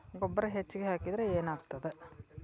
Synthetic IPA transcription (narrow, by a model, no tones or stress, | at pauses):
ɡɔbːɐɾɐɦet͡ʃːiɡeɦaːkid̪ɾeeːnaːɡt̪ɐd̪e